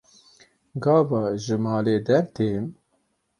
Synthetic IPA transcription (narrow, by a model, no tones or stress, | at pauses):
ɡɑːvɑːʒɨmɑːleːd̪ɛɾt̪eːm